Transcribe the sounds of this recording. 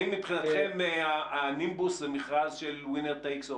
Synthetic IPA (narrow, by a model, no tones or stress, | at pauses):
imːipχinat̪χemmːeaanimbuszemiχʁazʃelwineʁt̪ejkso